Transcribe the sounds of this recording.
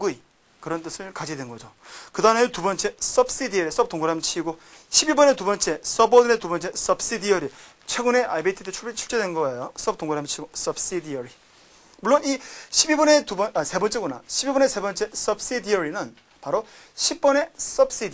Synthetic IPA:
ɡui | kɯɾʌnt͈ɯsʰɯɭkad͡ʑidwenɡʌd͡ʑo | kɯdametubʌnt͡ɕ͈e̞s͈ʌb̚s͈idiʌɾis͈ʌp̚t͈oŋɡuɾamt͡ɕʰiɡo | ɕʰibibʌne̞tubʌnt͡ɕ͈e̞s͈ʌbʌdɯnet̪̬ubʌnt͡ɕ͈e̞s͈ʌbs͈idiʌɾi | t͡ɕʰwe̞ɡune̞ʔaibeitʰit̪ʰet͡ɕʰut͡ɕʰuɭt͡ɕ͈edwenɡʌejos͈ʌp̚t͈oŋɡuɾamt͡ɕʰiɡos͈ʌbs͈id̪iʌɾi | muɭːoniɕʰibibʌne̞tubʌase̞bʌnt͡ɕ͈e̞ɡona̰ɕʰibibʌne̞se̞bʌnt͡ɕ͈e̞s͈ʌb̚s͈id̪iʌɾinɯn | paɾo | ɕʰip̚p͈ʌne̞s͈ʌbs͈idi

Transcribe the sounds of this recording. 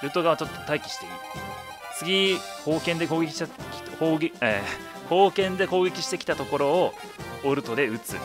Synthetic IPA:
ɾɯ̟t̪o̞ɡaβat͡ɕo̞t̪ːot̪aikʲi̥ɕi̥t̪e̞ɯ̰ | t͡sɨɡʲi | ko̞ːkẽ̞nd̪e̞koːɡʲekʲi̥ɕʲkoːɡeḛː | ko̞ːkẽ̞nd̪e̞ko̞ːɡʲe̞kʲi̥ɕi̥t̪e̞kʲi̥t̪at̪o̞ko̞ɾo̞ː | oɾɯ̟t̪o̞d̪e̞ɯ̟t͡sɨ̰

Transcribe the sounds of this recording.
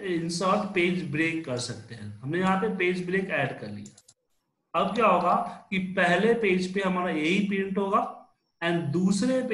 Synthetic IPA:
ɪ̃nsaːld̪peːd͡ʒbɾeːkːɐɾsɐk̚t̪eɦɛ̰̃ːɦɐmnejɐɦãpepeːd͡ʒbɾeːkɛːɖkɐɾlḭja | ɐb̚kjaːɦoːɡakipɛɦlepeːd͡ʒpeɦɐmaːɾajeɦipeːɪ̃ɳʈɦoːɡaː | ɛ̃ːnd̪uːsɾep

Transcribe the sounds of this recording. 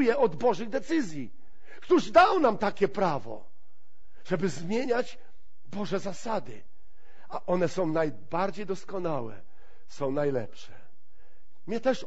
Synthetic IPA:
jɛɔd̪bɔʐɘɣd̪ɛt̪sɘzʲji | kt̪uʐd̪awnamt̪akʲɛpɾavɔ̰ | ʐ̥ɛbɘzmʲjeɲad͡ʑ | bɔʐɛzasad̪ɘ̰ | aʔɔnɛsɔ̃w̃naj | baɾd͡ʑejd̪ɔskɔnawɛ̰ | sɔ̃w̃najlɛ̰pʂɛ | mɛt̪ɛʂ

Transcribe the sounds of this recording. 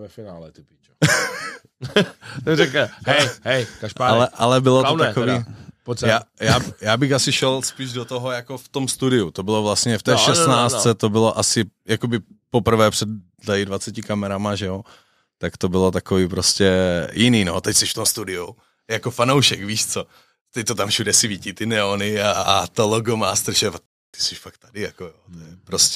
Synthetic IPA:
vɛfɪnaːlɛt̪ɪpit͡ʃ | zɛkɦɛjɦɛjkaʒpaalɛʔalɛbɪlotot̪akoviːpoaːjaːjaːbɪxasɪʃɛlspiːʒdot̪oɦojakoft̪o̞mst̪udɪut̪obɪlovlast̪ɲɛft̪ɛːʃɛsnaːt͡st͡st͡sɛt̪obɪloʔasɪjako̞bɪpopr̩vɛːpr̥ɛd | laɪdvat͡sɛcɪkamɛɾamaʒɛjo | t̪akt̪o̞bɪlo̞t̪akoviːpɾoscɛjʔɪniːno̞t̪ɛcsɛʃft̪omst̪udɪu | jakofanowʃɛkviːʃt͡so | t̪ɛc̚t̪ot̪amfʃudɛsɪvicit̪ɪnɛonɪat̪oloɡomaːst̪ɾ̩ʃɛva | t̪ɪ̥sɛʃfak̚t̪ːadɪjakojot̪ojɛpɾoscɛ

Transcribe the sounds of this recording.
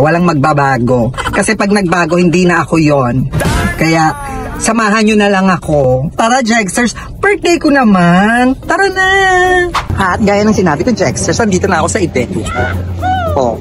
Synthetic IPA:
wɐlaŋmɐɡ̚babaːɡo̞kɐsɛpɐɡ̚nɐɡ̚baːɡo̞hɪnd̪iːnɐʔɐko̞jonkɐjaʔ | sɐmaːɦɐnɲonɐlɐŋɐko̞paːɾɐd͡ʒɛksɛɹs | pɛɹt̪ejkonɐmant̪ɐɾona | ʔɐt̪̚ɡaːjɐnɐŋsɪnaːbɪk̪ɐd͡ʒɛksɛɹsɐnd̪iːt̪onɐʔɐko̞sɐʔɪd̪ɛk̪ | ʔo̰

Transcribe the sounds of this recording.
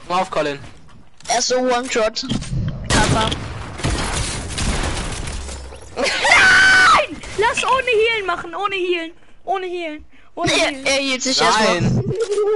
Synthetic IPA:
maʊfkʰɔlɪn | ʔɛɐstz̥owɔntɹɔtkʰava | ɪnlasʔoːnəhiːlnmaχn̩ʔoːnəhiːln | ʔoːnəhiːln | ʔoːeːɐhiːltz̥ɪçɛstmaɪn

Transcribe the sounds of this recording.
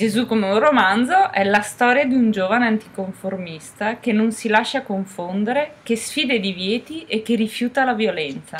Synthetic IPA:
d͡ʒezukːomeuromand̪zoʔɛlast̪ɔːɾjad̪iund͡ʒoːvaneant̪i̥koɱformist̪akenːonsilaʃːakoɱfond̪eɾek̟esfiːd̪ed̪ivjɛːt̪iek̟ːerifjuːt̪alavjolɛnt̪sa

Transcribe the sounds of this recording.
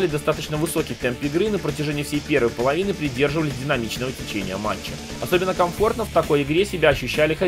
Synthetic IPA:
lʲɪd̪ɐst̪at̪ət͡ɕn̪əvɨso̞kʲɪt̪ɛmpɪɡɾɨnəpɾətʲɪʐɛnʲɪjəfsʲejpʲe̞rvəjpəlˠɐvʲinɨpɾʲɪdʲe̞rʐɨvəlʲɪsʲdʲɪnɐmʲit͡ɕnəvətʲɪt͡ɕenʲɪjəma̰t͡ɕːɪ̰ | ɐso̞bʲɪnːəkɐmfo̞rt̪nəft̪ɐko̞jɪɡɾʲesʲɪbʲaɐɕːʉɕːælʲɪxɐ

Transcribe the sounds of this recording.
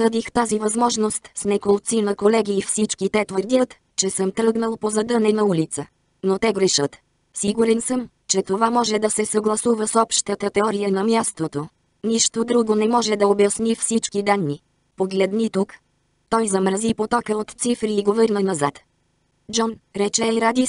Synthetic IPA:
səd̪ixt̪azivɐzmɔʒnost̪snɛkolˠt̪sinɐkolɛɡʲiːfsit͡ʃkit̪ɛt̪vəɾd̪ʲət̪ | t͡ʃɛsəmt̪ɾɤɡnəlˠpozɐd̪ənɛnɐulit̪sə | not̪ɛɡɾɛʃət̪ | siɡuɾɛnsəm | t͡ʃɛt̪ovamɔʒɛd̪ɐsɛsɐɡlˠɐsuvəsɔpʃt̪ət̪ət̪ɛɔɾijənɐmjast̪ot̪o | niʃt̪od̪ɾuɡonɛmɔʒɛd̪ɐobjɐsnʲifsit͡ʃkid̪anːi | poɡlɛd̪nit̪uk | t̪ɔjzɐmɾɐzipot̪ɔkəot̪t̪sifɾiːɡovəɾnənɐzat̪ | d͡ʒɔnɾɛt͡ʃɛjɾad̪is

